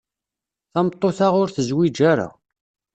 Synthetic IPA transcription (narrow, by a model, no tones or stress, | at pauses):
θæmət̪ˤːoθaʁʊɾθəzwid͡ʒaɾa̰